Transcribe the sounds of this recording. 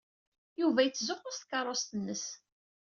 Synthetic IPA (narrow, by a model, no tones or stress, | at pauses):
juvæjət͡sːzʊqːʊst̪kɑrˤːost̪ənːəs